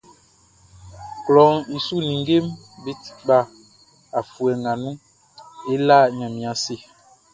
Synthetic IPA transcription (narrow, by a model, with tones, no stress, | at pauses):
klɔ˨ŋi˨su˦nĩ˨ŋ˦ɡe˦m | bi˦ti̥˦ɓa˦˨ | a˨fu˨ɛ˨ŋɡa˨nũ˦ | e˦la˦˨ɲã˨mĩ˨a˨se˦˨